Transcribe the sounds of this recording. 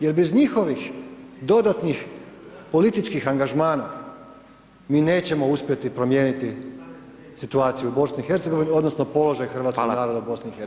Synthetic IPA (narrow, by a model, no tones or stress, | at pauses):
je̞ɾbe̞zɲixo̞ʋixd̪o̞d̪at̪nixpo̞lit̪it͡ʃkixaŋɡaʒmaːna | miːne̞ːt͡ɕe̞mo̞uspʲje̞t̪ipɾo̞mje̞ːnit̪i | sit̪uaːt̪sijuubo̞sniixe̞ɾt̪seɡo̞ʋinio̞d̪nosnopo̞lˠo̞ʒajxr̩ʋat̪kkonaːɾod̪aubo̞snixe